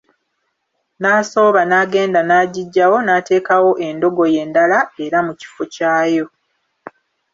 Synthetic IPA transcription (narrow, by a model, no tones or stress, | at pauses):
naːso̞ːβanaːɡe̞ːndanaːɟiɟːawo̞naːte̞ːkawo̞ʔe̞ndo̞ɡo̞je̞ːndalae̞ɾamuci̥focaːjo̞